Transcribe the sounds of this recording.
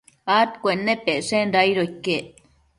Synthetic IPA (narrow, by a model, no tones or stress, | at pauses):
at̪kʷenːepeʔʂenɾajɾokːe